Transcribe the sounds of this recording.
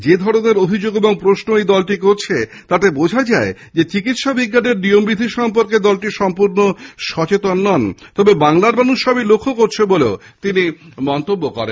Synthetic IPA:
d͡ʑed̪ʱɔɾoneɾobʱid͡ʑoɡeboŋpɾosnoejd̪ɔlʈikoɾt͡ɕʰet̪at̪ebod͡ʑʱad͡ʑae | d͡ʑet͡ɕikit̪ʃabiɡːaneɾniombɾid̪ʱiʃɔmpoɾked̪ɔlʈiʃɔmpuɾnoʃɔt͡ɕet̪onːɔnt̪ɔbebaŋlaɾmanuʃʃɔbilokʰːokoɾt͡ɕʰeboleo | t̪inimɔnt̪obːokɔɾḛnn

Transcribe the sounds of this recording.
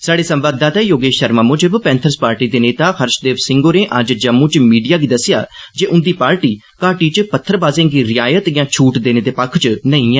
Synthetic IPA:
saːɖeːsə̃mbaːd̪ːaːt̪aːjoːɡeːʃəɾmãːmʊ̃ːd͡ʒəbpɛ̃ːnt̪ʰəɾspaːɾʈiːd̪eːneːt̪aːxʰəɾʃd̪eːʋsɪŋɡoːɾẽːʔəd͡ʒd͡ʒəmːũːt͡ʃmiːɖijaːɡiːd̪əsɪja̰ːd͡ʒeːʔʊnd̪iːpaːɾʈiː | kaːʈiːt͡ʃpət̪ʰːəɾbaːzẽːɡiːɾɪjaːjət̪jãːt͡ʃʰuːʈd̪eːneːd̪eːpəkʰt͡ʃnəĩːɛ̃ː

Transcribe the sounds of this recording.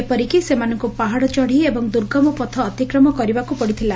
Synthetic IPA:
epɔɾikisemanɔŋkupaɦaɽɔt͡ʃɔɽ̤iebɔŋd̪uɾɡɔmɔpɔt̪ʰɔːt̪ikɾɔmɔkɔɾibakupɔɽit̪ʰila

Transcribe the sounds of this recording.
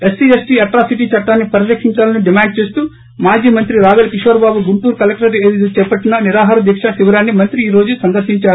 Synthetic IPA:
esːiesʈiɐʈɾaːsiʈiːt͡ʃɐʈːaːnːipɐɾilɐkʰiɲt͡ʃaːlɐniɖimaːɳɖ̚t͡ʃeːst̪uː | maːd͡ʒiːmɐnt̪ɾiɾaːɡɐlɐkiʃʋɐɾɐbaːbuɡuɳʈuːɾukɐlek̚ʈɐɾeːd̪id̪ut͡ʃɛːpɐʈːinːɐniɾaːɦaːɾɐd̪jɐkʂasiʋɐɾaːnːimɐnt̪ɾiiːɾo̞ːd͡ʒusɐnd̪ɐɾʃiɲt͡ʃaːɾuu

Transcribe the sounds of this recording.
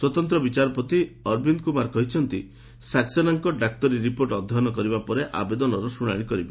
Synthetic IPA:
swɔt̪ɔnt̪ɾɔbit͡ʃaɾɔpɔt̪iɔɾbind̪kumaɾkɔɦit͡ʃʰɔnt̪i | saksɔnaŋkɔɖak̚t̪ɔɾiɾipoɾʈɔd̪ʱːɔɦnɔkɔɾibapɔɾeʔa̰bed̪ɔnɔɾɔsuɽ̃aɽ̃ikɔɾibe

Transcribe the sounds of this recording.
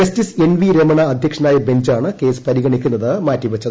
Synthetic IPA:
ɐstise̞nʋiɾemɐɳɐɐd̪ʱjɐkʂɐnaːjɐbe̞ɲd͡ʑaːɳɨke̞ːsɨ̥pɐɾiɣɐɳikʲːunːɐðɨmaːtːiʋɐt͡ɕːɐðɨ

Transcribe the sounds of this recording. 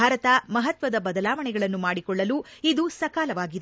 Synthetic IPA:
aːɾɐt̪ɐmɐɦɐt̪ʋɐd̪ɐbɐd̪ɐlaːʋɐɳɛɡɐɭɐnːumaːɽikɔɭːɐluːid̪usɐkaːlɐʋaːɡid̪e

